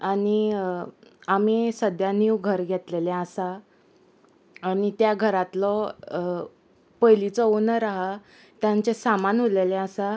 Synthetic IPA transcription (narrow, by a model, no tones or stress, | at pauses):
aɽi | amisəd̪ʱjaniwɡʱəɾɡʱet̪lelẽasa | nit̪jaɡʱəɾat̪lɔ | pəjlit͡sɔonəɾaɦa | t̪jaɲt͡ɕesamanɦoleleasa